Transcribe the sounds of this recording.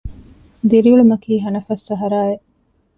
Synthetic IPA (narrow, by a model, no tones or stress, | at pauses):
d̪iɾiuɭumɐkiːɦɐnɐfɐsːɐɦɐɾaːeʔ